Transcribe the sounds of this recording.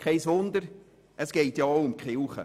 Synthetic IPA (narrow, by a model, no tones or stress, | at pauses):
kʰɛɪsʋʊnd̪əɾ | ʔəsɡ̥ɛɪtjɑoʊʊmkχɪlχə̰